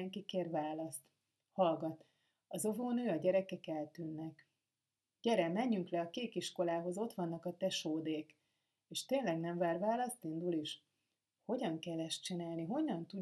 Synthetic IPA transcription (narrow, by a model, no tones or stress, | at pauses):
ɛŋkikeːrvaːlɒst̪ | hɒlɡɒt̪ | ɒzo̞voːnøːɒɟɛɾɛkɛkɛlt̪ynːɛk | ɟ̥ɛɾɛmmɛɲːyŋklɛɒkeːkiʃko̞laːɦo̞zo̞t̪ʋɒnːɒkɒt̪ɛʃoːd̪eːk | eːʃt̪eːnlɛɡnɛɱvaːrvaːlɒst̪ind̪uliʃ | ho̞ɟɒŋkɛlːɛʃt͡ʃinaːlniɦo̞ɲːɒnt̪u